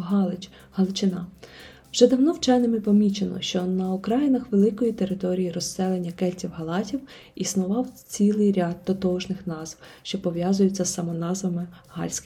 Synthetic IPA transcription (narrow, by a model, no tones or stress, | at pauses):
ɦɑlˠɪt͡ʃ | hɐlˠɔt͡ʃɪnɑ | wʒ̥ɛd̪ɐwnɔwt͡ʃɛjnɪmɪpɔmʲit͡ʃenɔ̰ʃt͡ʃɔnɐʊkɾɑjɪnɐxʋelˠɪkɔjit̪eɾɪt̪ɔɾʲijiɾɔssɛlˠenʲːɐkɛlʲtʲiwɦɐlˠɑtʲiw | isnʊʋɑwt͡sʲilˠɪjɾʲad̪̚ːɔt̪ɔʒnɪxnɑzwʃt͡ʃɔpɔʋjazʊjʊt͡sʲːɐsːɐmɔnɑzʋɐmɪɦɑ̰lʲsʲk